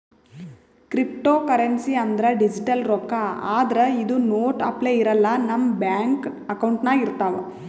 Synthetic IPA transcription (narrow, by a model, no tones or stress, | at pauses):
kɾip̚ʈoːkɐɾensiɐnd̪ɐɾɐɖid͡ʒiʈɐlɾɔkaaːd̪ɐɾɐid̪unoːʈɐ̰pleiɾɐlːɐnɐmbjaːŋkɐkɐwɳʈnɐiɾt̪aːʋɐ